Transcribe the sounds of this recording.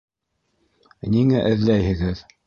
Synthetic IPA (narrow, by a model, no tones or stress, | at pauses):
niŋæʔɘ̆ðlæjhɘ̆ɣɘð